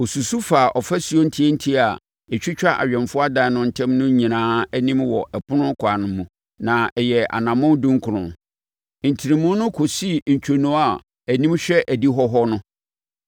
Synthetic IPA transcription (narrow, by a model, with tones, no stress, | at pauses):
o˨su˨su˦fa˨ʔɔ˨fɛ˦su˨o˦n̩˦tʰi˦e˦n̩˦tʰi˦a˨ | ɛ˨t͡ɕᶣɪ˦t͡ɕᶣa˦ʔa̰˨ɥᶣɛ̃˨nfʊ˦a˦dã˨nʊ̃˦n̩˨tʰɛ̃˦mnʊ̃˦ɲĩ˨nãː˦æ˦nĩ˦mwɔ˨ʔɛ˨pʰʊ˦nʊ̃˦kʰa˨nʊ̃˨mːũ˨ | nã˨ɛ˨jɛ˨a̰˨nã˨mʊ̃˦ndũ˦ŋ˦kʰʊ˨ɾʊ̰̃˨n | n̩˨tʰi˨ɾĩ˨mʊ̃˦nʊ̃˦kʰo˨si˦ɲ̩˨t͡ɕʰᶣo˨nũ˨˦a˨ | æ˨nĩ˦mɕᶣɛ˦ʔæ˨di˦ɦɔ˦ɦɔ˦nʊ̃˦